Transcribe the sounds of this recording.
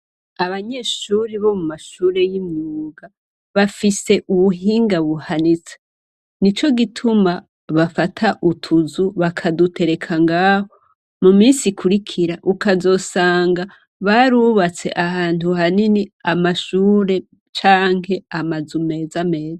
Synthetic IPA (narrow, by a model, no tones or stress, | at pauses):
aβaɲe̞ːʃuɾiβo̞mumaʃuːɾe̞jimŋuːɡa | βafise̞ʔuβuɦiːŋɡaβuhanit͡se̥ | nit͡ʃo̞ɡitʰuma | βafatʰaʔutʰuzuβakʰadutʰe̞ɾe̞kʰaŋɡaːho | mumiːnsikʰuɾikʰiɾaʔukazo̞ːsaːŋɡa | βaɾuβat͡se̞̰ʔahaːntuhaniniamaʃuːɾe̞ | t͡ʃaːŋɦe̞amazume̞ːzame̞ːzaa